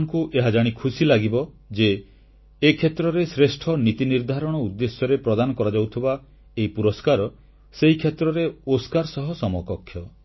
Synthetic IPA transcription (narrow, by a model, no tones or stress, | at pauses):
ŋkuʔeɦad͡ʒaɽ̃ikʰusilaɡibɔ | d͡ʒeː | kʰet̪ɾɔɾesɾesʈʰɔnit̪iniɾd̪ʱaɾɔɽ̃ɔud̪ːesjɔɾepɾɔd̪anɔkɔɾad͡ʒɔwt̪ʰiba | eɦipuɾɔskaɾɔ | seɦikʰet̪ɾɔɾeoskaɾsɔɦɔsɔmɔkɔkʰːjɔ